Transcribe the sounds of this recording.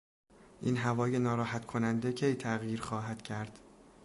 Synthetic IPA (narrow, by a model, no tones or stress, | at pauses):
ʔiːnɦævɒːjenɒːɾɒːɦæt̪kʰonænd̪ecʰe̞jt̪ʰæɣjiːɾxɒːɦæd̪̥cʰæɾd̪̥